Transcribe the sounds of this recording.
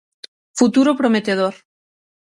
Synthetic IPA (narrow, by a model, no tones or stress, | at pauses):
fut̪uɾopɾomet̪eð̞oɾ